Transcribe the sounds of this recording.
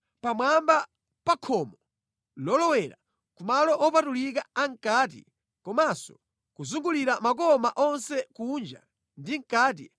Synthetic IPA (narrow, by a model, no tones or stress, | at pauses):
pamwamba | pakʰɔmɔ | lɔlɔwɛɾa̰ | kumalɔʔɔpatulik̬aaŋ̩kaːt̬ḭ | kɔmasɔ̥ | kuzuŋɡuliɾamak̬ɔmaʔɔnsɛkuːnd͡ʒa̰ | ndiŋ̩kaːt̬i